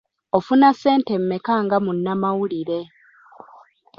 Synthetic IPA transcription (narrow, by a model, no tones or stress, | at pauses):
ofunase̞ːnte̞mːekaːŋɡamunːamawuliɾe̞